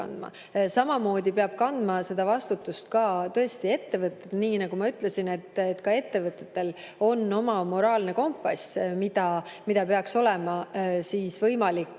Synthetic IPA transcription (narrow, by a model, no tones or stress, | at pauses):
ɑ̰nd̪̥mɑ̰ | sɑmɑmo̞ːd̪̥ʲipeɑb̥̚kɑnd̪̥mɑse̞d̪ɑvɑst̪ut̪ːust̪kɑːt̪ɤ̞e̞st̪ie̞t̪ːe̞vɤt̪ːˑed̪̥niːnɑɡ̥umɑyt̪ˑle̞sine̞t̪ːet̪ːkɑe̞t̪ːe̞vɤt̪ːˑet̪ːe̞l | o̞nːo̞mɑmo̞ɾɑːlne̞ko̞mpːɑsmid̪̥ɑmid̪ɑpeɑkso̞le̞mɑsiːsvɤjmɑlikː